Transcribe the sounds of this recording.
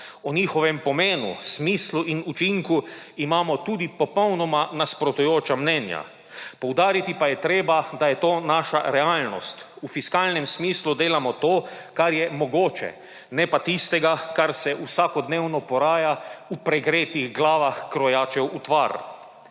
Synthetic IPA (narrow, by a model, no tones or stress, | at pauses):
ɔniːxɔʋɛmpɔmeːnṵsmiːsluʔinut͡ʃiŋkuimaːmɔt̪uːd̪ipɔpɔwnɔmanaspɾɔt̪ujoːt͡ʃamnɛnja̰ | pɔwd̪aːɾit̪ipajɛt̪ɾeːbad̪ajɛt̪oːnaːʃa̰ɾɛaːlnɔ̰st̪ | ufiskaːlnɛmsmiːslud̪eːlamɔt̪oːkaɾjɛmɔɡoːt͡ʃɛ̰ | nɛpat̪ist̪ɛɡakaɾsɛʔusakɔd̪neːwnɔpɔɾaːjaupɾɛɡɾeːt̪iɣɡlaːʋaxkɾɔjaːt͡ʃɛwut̪ʋa̰ɾ